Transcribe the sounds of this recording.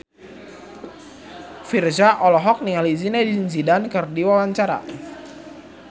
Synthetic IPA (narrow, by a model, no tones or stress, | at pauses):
fird͡ʒaʔɔlɔɦɔk̚niŋalizinedinzidankɨrdiwawaɲt͡ʃaɾa̰